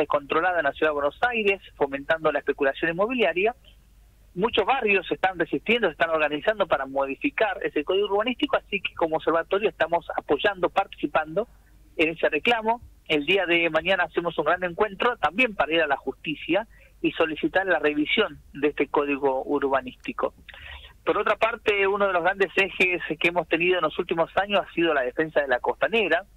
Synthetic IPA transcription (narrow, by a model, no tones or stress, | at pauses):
ehko̞nt̪ɾo̞laðaenlasjuðaðewenosajɾesfo̞ment̪and̪o̞laehpe̞kulasjonimːo̞βiljaɾja | mut͡ʃoɦβarjo̞sest̪anresiht̪jend̪oseht̪ano̞ɾɣanisand̪o̞paɾamo̞ð̞ifikaɾesekoð̞iɣuɾβanist̪ikoasike̥ko̞moβseɾβat̪o̞ɾjoest̪amo̞sapo̞ʒand̪opaɾt̪i̥sipand̪o̞ | ene̞se̞reklamo̞ | eld̪iaðemaɲanaːsimo̞suŋɡɾaneŋkwe̞nt̪ɾo̞t̪ambje̞mpaɾaiɾalaxust̪isja | iso̞lisit̪aɾlare̞βisjo̞nd̪eest̪eko̞ð̞iɣo̞uɾβanist̪iko̞̰poɾot̪ɾapaɾt̪eunoð̞e̞loɣɾand̪esexeskeemo̞st̪e̞nið̞o̞enlo̞sult̪imo̞saɲosasið̞olað̞e̞fe̞nsaðelako̞st̪aneɾa